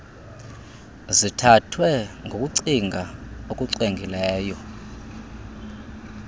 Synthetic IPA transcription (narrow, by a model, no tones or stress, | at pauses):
zitʰatʰwɛŋɡʱokʼuǀiŋɡʱaokʼuǀeŋɡʱilɛːjɔ